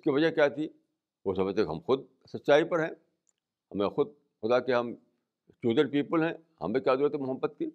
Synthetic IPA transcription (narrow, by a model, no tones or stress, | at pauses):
skiʋɐd͡ʒəɦkʲjat̪ʰi | ʋoːsɐməd͡ʒt̪ʰekɦɐ̰mxʊd̪̚ | sɐtːʃaːipɐɾɦɛ̃ː | hɐmẽxʊd̪̚ | xʊd̪akeɦɐm | t͡ʃjuːd̪əɾpiːpəlɦɛ̃ | hɐ̰mbẽkjaːd̪uːɾət̪ɛmʊɦəbːət̪̚ki